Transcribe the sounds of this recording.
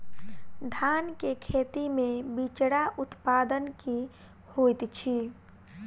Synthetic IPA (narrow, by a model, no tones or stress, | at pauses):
d̪ʱaːnkekʰeːt̪imẽbit͡ʃɽaʔʊt̪paːd̪ənki | hojt̪t͡ʃʰi